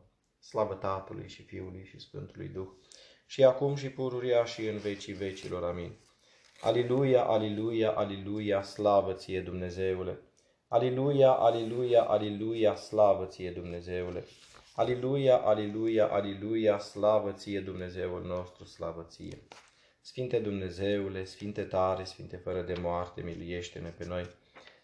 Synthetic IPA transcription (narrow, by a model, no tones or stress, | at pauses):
slavət̪at̪əlṵjʃifiulujʃisfɨ̰nt̪ulṵjd̪ux | ʃiakumʃ̬ipuɾuɾiaʃiɨnve̞t͡ʃive̞t͡ʃilo̞ɾamin | a̰lelujaʔalelujaʔalelujaslavət̪sije̞d̪umne̞ze̞ule̞ | alelujaʔalelujaʔalelujaslavət̪sije̞d̪umne̞ze̞ule̞̰ | alelujaʔalelujaʔalelujaslavət̪sije̞d̪umne̞ze̞ulno̞st̪ɾuslavət̪sḭjḛ | sfint̪e̞d̪umne̞ze̞ule̞sfint̪e̞t̪aɾe̞sfint̪e̞fəɾəd̪e̞moart̪e̞miluje̞ʃt̪e̞ne̞pe̞no̞j